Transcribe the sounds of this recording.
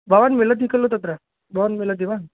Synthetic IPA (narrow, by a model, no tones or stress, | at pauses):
baʋanmilət̪̬ikəlːot̪at̪ɾa | baʋanmilət̪iʋan